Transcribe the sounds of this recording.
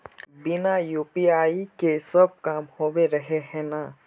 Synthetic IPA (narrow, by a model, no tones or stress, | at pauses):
bɪnajuːpiaːikesɐb̚kaːmhoːweɾɐɦeɦɛ̃ːna